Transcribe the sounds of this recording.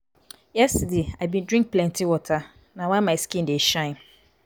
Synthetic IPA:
jɛstdeabĩndɹĩŋk̚plɛ̃ntʰiwɔtʰa | nãwɛ̃nmãɪskĩndeʃãɪ̃n

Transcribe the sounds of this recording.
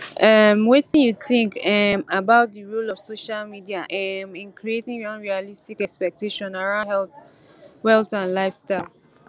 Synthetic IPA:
ʔɛmwetĩnjuθĩŋkɛmabaʊt̚diɹulɔv̥soʃalmidiaʔɛmĩnkʰɹietĩŋɹãnɹialistikɛkspɛk̚teʃɔ̃naɹãʊ̃ndhɛlθwɛltãnlaɪfstaɪlˠ

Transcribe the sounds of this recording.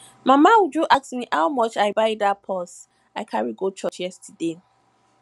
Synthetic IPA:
mamaud͡ʒuʔaksmiʔhawmɔt͡ʃaɪbaɪdapʰɔs | aɪkʰaɹiɡot͡ʃʰɔt͡ʃjɛstʰide

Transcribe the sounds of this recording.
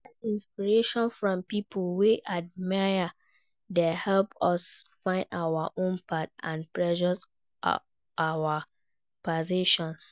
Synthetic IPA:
ɛsĩnspiɹeʃɔ̃nfɹɔ̃mpipʰəlwiʔad̚maɪə | dehɛlpɔsfãɪ̃ndawaʔõnpʰat̚ã̰npɹɛd͡ʒɔs | ʔawa | pɔziʃɔ̃ns

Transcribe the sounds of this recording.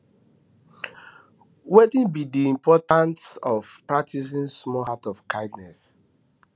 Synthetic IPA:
wetĩnbidiĩmpɔtãntɔvpɹak̚tʰis̬ĩnsmɔhatɔfkaɪdnɛs

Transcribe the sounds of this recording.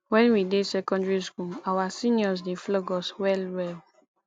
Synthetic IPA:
wɛ̃nwidesɛkɔ̃ndɹiskulawasĩnjɔzdeflɔɡɔswɛlwɛl

